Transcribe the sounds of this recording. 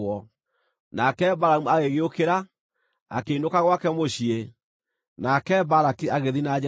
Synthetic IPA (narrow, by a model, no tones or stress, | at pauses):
ɔ | nakɛbaɾaumuaɣeɣeokeɾa | a̰keinokaɣwakɛmoɕie | nakɛbaɾakeaɣeðinad͡ʑ